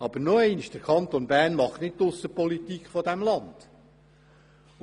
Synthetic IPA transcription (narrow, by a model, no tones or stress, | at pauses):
ɑb̥əɾnoɛɪnʃd̥əɾkʰɑnt̪onbæːrnmɑχtnɪt̚tːʊsːəpɔlitikχfɔdæmlɑnd̪̥